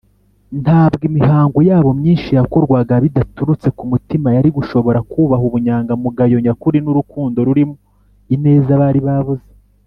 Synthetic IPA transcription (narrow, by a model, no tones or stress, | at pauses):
ntaːbɡimiɦaːŋɡojaːβo̞mɲiːnʃijakoɾɡwaɡaβidatuɾut͡se̞kumutimajaɾiɡuʃo̞βo̞ɾakuːβaɦuβuɲaːŋɡamuɡajo̞ɲakuɾinuɾukuːndo̞ɾuɾimo | ine̞ːzaβaɾiβaβuze